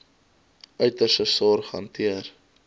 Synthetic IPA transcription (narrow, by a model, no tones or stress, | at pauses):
œɥtəsəsɑːrχɐ̰ntiər